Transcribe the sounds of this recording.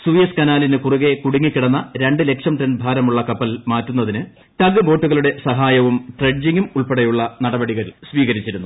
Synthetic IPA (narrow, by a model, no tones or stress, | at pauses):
suːjɐskɐnaːlinɨkuruɣe̞kuɽiŋːikːiɽɐnːɐɾe̞ɳɖɨle̞kʂɐmʈrenbʱaːɾɐmuɭːɐkɐpːɐlmaːtːunːɐðinɨ | t̪ɐɡɨbo̞ːʈːuɣɐɭuɽe̞sɐɦaːjɐʋumʈreɖd͡ʑiŋɡumuɭpeɽɐjuɭːɐnɐɽɐbɐɽiɣɐɾilsʋiːɣɐɾit͡ɕːiɾunːu